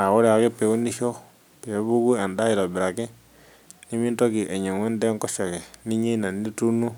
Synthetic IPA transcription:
a˨ɣo˦ɾe˨a˨ke˦pe˨u˦ni˦ʃo˦ | pe˨˦βu˦ku˦a˨nda˦i˨ɾa˨bi˨ɾa˨ke˦ | ni˦mi˦nto˦ki˨ʔe˨ɲe˨ŋwe˦nde˦ŋkɔ˦ʃa˨ke˨ni˦ɲe˦na˨ni˦tu˦nu˦

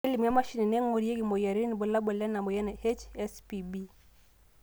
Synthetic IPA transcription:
ɛ˦li˨ma˦ma˦ʃi˦ni˨nɛ˦ŋɔ˨ɾi˦ɛ˦ɡi˨mɔ˨ja˨ɾi˦ni˨bɔ˨la˦bɔ˨lɛ˦na˨mɔ˨ja˦nɛ˨hɛ˦t͡ʃɛ˦spi˨bi˦

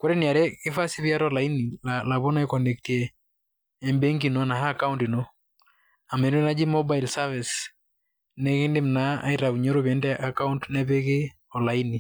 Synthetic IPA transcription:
ko˦ɾe˦ni˨a˨ɾɛ˦kɪ˦fa˦si˦βja˦ɾɔla˨ini˨lala˨βo˦na˦e˦kɔ˨ne˨ktiɛː˨ | mbe˦ŋɡi˨no˨na˨ɦaː˦˨ka˦unti˨no˦ | a˨me˨ɾu˦na˦d͡ʒi˦mɔba˦jlsa˦vi˨s | nɛ˦kɪ˦nde˦m̩na˦a̰˦iɾa˨u˨ɲɔ˦ɾo˦βjɛ˦ndɛ˦ʔa˨ka˦untnɛ˦pe˦kɪ˦ | ɔ˨la˨ini˨

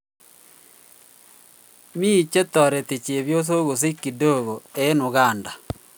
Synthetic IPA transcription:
mi˦˨t͡ʃe˦tɔ˨ɾe˨ti˨t͡ʃe˨βjo˦so˦ɣo˨s̬i˦ki˨do˦˨ɣo˨e˦nu˨ɣaː˦˨nda˨

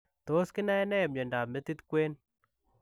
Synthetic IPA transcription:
to˦skɪ˦na˦ɛ˦nɛ˦ɛ˨m̚ɲe˨nda˨me˦t̪i˦t̪kwe˦n

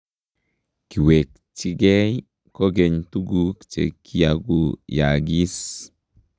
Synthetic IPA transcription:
ki˨we˨k̚ | t͡ʃi˦ɡe˦j | koɡeɲtu˦ɡukt͡ʃḛkʰi˦jaɡujaɡi˦s

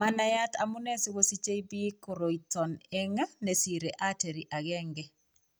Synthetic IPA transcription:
ma˦na˦ja˦t̪a̰˨mʊ˦ne˦si˦wo˦si˦t͡ʃe˦i˦bi˦ko˨ɾo˨itʰɔ˨neŋa˦ne˨si˨ɾeʔa˦te˨ɾi˨ʔa˨ɣɛ˦ŋɡɛ

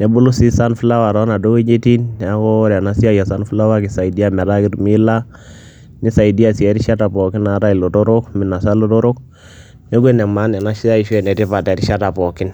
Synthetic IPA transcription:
nɛ˨bu˦lu˦si˦sa˦nfi˦la˦wa˨ɾɔ˨˦na˨do˦ɡe˦d͡ʒe˦ti˦nː˨a˨˦kɔ˦ɾa˨na˦si˦a˦ja˨sa˦nfi˦la˦wa˦ki˨sa˨i˨di˦a˦mɛ˨ɾa˦ɡi˦ɾmi˦la˦ | ni˦sa˨i˨di˦a˨si˨ɛ˨˦ɾi˦ʃa˦ta˨pɔ˨ki˦na˨˦ɾa˦i˨lo˨to˦ɾo˦kmi˨na˨sa˦lo˦to˦ɾo˦k̚ | ne˦ɡe˦nɛ˨ma˦nɛ˨na˦ʃi˦ja˦i˨ʃɛ˦˨nɛ˨ti˦pa˨tɛ˨ɾi˦ʃa˦ta˨pɔ˨ki˦n

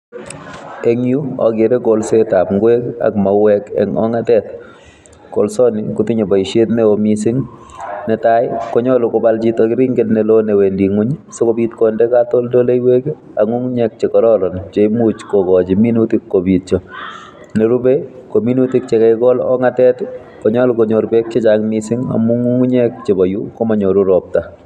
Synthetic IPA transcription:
e˦ŋju˦ɔ̰˨ɡe˨ɾe˦ɡo˨lse˦ta˨pŋɡwe˦ka̰˨kma˨wɛ˦kɛ̰˨ŋɔ̰˦ŋa˦tɛ˦t̪ | ko̰˨lsɔ˦nɪ˨kʊ˦tɪ˦ɲo˨bɔ˨i˨ʃe˦t̪mɛ˦o˨misɪ˦ŋnɛ˨ta˦ɪkɔ˨˦ɲɔ˦lʊ˨kɔ˨bald͡ʒi˦t̪o˨kɪ˦ɾi˦ŋɡe˦dnɛ˨lo˦ne˨we˨ndi˨ŋu˦ɲso˦ko˦bi˦t̪kɔ˨ndɛ˦ka˦t̪o˦ldo˦le˦i˦we˦ke | aŋu˦ŋ˦ɲɛ˦k̚t͡ʃe˨kɔ˨ɾɔ˦ɾɔ˨nt͡ʃe˨ɪmut͡ʃkɔɡɔd͡ʒi˨mi˦nutikːo˨bit̚t͡ʃɔ˨ | ne˨ɾu˦be˦ko˨mi˦nu˦ti˦k̚t͡ʃɛ˨kɛɪɡɔ˦lɔ̰˦ŋa˦tɛ˦t | kɔ˨ɲɔ˦lkoɲo˨ɾbe˦k̚t͡ʃe˦d͡ʒaŋmisɪ˦ŋa̰˨mu˦ŋu˦ŋu˦ɲɛ˦k̚t͡ʃe˨bɔ˨ju˦ko˦ma˨ɲo˨ɾu˦ɾɔp̚ta˨

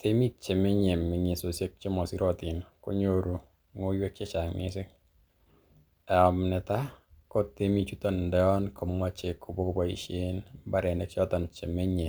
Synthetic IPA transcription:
tʰe˦mi˦t̚t͡ʃe˨me˦ɲe˨mːɪ˨ɲe˨so˨sje˦k̚t͡ʃe˦mɔ˨si˦ɾɔ˦tɪ˨nko̰˦ɲo˦ɾu˨ | ŋo˦jwe˦k̚t͡ʃe˦t͡ʃa˨ŋnɪ̰˦sɪ˦k | ɛ˨ɔ˨mnɛ˨ta˦ko˦tːe˦mi˦t͡ʃu˦tɔ˦˨ndɛ˦ɔ˦nkʰɔ˨mwa˦t͡ʃe˨kːo˨bo˦kbɔ˨ḭ˦ʃe˦nba˦ɾɛ˨nɛ˨k̚t͡ʃɔ˦tɔ˨nt͡ʃe˨me˦ɲe˨

